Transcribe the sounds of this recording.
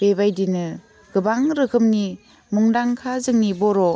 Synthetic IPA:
bebajdinɯ | ɡ̥ɯbaŋɾɯkʰɯmni | muŋdaŋkʰazɯŋnibɔɾɔ

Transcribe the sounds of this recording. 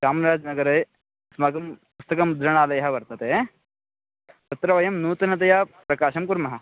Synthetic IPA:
kaːmɾaːd͡ʒnɐɡɐɾɐj | smɐɡɐmpust̪ɐkɐmd̪ɾɐɳ̃aːlɐjɦɐʋɐɾt̪ɐt̪e | tt̪ɐt̪ɾɐʋɐjɐmnuːt̪ɐnɐt̪̬ɐjapɾɐkaːʃɐmkuɾmɐɦɐ

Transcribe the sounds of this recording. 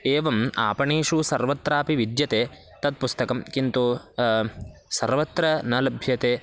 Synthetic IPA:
eːʋɐma̰ːpɐɳeːʂusɐɾʋɐt̪ɾaːpiʋid̪jɐt̪eː | t̪ɐt̪̚pust̪ɐkɐmkint̪u | sɐɾʋɐt̪ɾɐnɐlɐbʱjɐt̪eː

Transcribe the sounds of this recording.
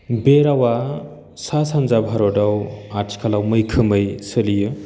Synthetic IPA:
beɾawa | sasanzabʱaɾɔdawatʰkʰalawmɯjkʰɯmɯjsɯlijɯ

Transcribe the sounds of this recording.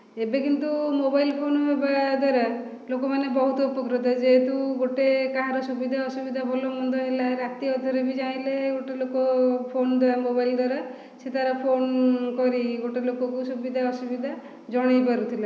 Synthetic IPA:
ebekint̪umobajlpʰonɦebad̪waɾa | lokɔmanebɔɦut̪ɔupɔkɾit̪ɔd͡ʒeːt̪uɡoʈekaɦaɾɔsubid̪ʱaɔsubid̪ʱabʱɔlɔmɔnd̪ʱɔɦelaɾat̪iɔd̪ʱɔɾebid͡ʒaĩleɡoʈelokopʰond̪ɔamobajld̪waɾa | set̪aɾɔpʰonkɔɾiɡoʈelokɔkusubid̪ʱaɔsubid̪ʱa | d͡ʒɔɽ̃ejpaɾut̪ʰila

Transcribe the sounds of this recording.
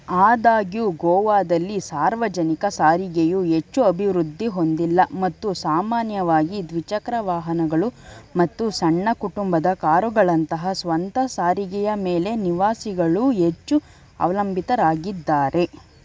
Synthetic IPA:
aːd̪aːɡjuːɡɔːʋaːd̪ɐlːisaːɾʋɐd͡ʒɐnikɐsaːɾiɡɛjuɦe̞t͡ʃːuɐbʱiʋɾud̪ʱːiɦo̞nd̪ilːɐmɐt̪ːusaːmaːnjɐʋaːɡid̪ʋit͡ʃɐkɾɐʋaːɦɐnɐɡɐɭumɐt̪ːusɐɳːɐkuʈumbɐd̪ɐkaːɾuɡɐɭɐnt̪ɐɦɐsʋɐnt̪ɐsaːɾiɡɛjɐmeːle̞niʋaːsiɡɐɭuɦe̞t͡ʃːu | ɐ̰ʋɐlɐmbʱit̪ɐɾaːɡid̪ːaːɾʔe̞

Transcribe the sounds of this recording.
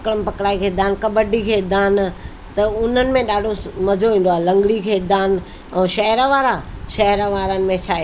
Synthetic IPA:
kɽəmɪ̆pɐkɽaːikʰeːd̪aːnkɐbəɖikʰeːd̪aːn | t̪ɐʊn̤ənɪ̆mẽɗaːɖʱomɐd͡ʑʱoʋĩːn̆d̪oaːɦlɐ̃ŋɡɽikʰeːd̪aːn | ɛ̃ːʃɐɦəɾəʋaːɾaʃɐɦɾʋaːɾənɪ̆mẽt͡ʃʰaːe

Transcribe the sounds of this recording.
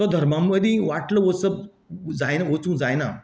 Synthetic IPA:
t̪ɔd̪ʱəɾmamːəd̪ʱĩʋaʈləʋəsəb̚ | d͡zajnaʋot͡sũd͡zajna

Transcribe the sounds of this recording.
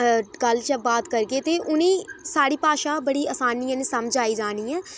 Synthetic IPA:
kəlt͡ʃəbaːt̪kəɾɡeːt̪eːʔʊnẽːsaːɽiːpaːʃaːbəɽiːəːsaːniːãːnẽːsəmd͡ʒaːiːd͡ʒaːniːɛː

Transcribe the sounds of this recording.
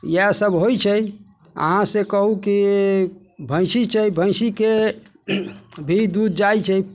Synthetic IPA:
jasəbɦojt͡ʃʰəj | ə̰ɦãsẽkəɦuki | bʱə̃ɪ̃sit͡ʃʰɛjbʱə̃ɪ̃sike | bʱid̪ud̪̚d͡ʒajt͡ʃʰə

